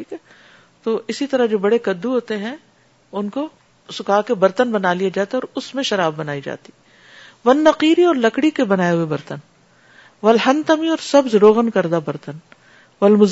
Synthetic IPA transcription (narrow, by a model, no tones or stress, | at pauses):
ʈʰiːkɛ | t̪oːʔɪsit̪ɐɾaɦd͡ʒoːbɐɽekɐd̪ːuɦoːt̪eɦɛ̃ | ʊnko | sʊkaːkebɐɾt̪ənbɐnaːlied͡ʒaːt̪eɔːɾʊsmẽʃɐɾaːbːɐnaːid͡ʒa̰ːt̪i̥ | ʋɐnːɐqiːɾiɔːɾlɐkɽikebɐnaːeɦʊebɐɾt̪ən | ʋɐlɦɐ̃nt̪əmiɔːɾsɐbzɾoːɣənkɐɾd̪abɐɾt̪ən | ʋɐlmʊz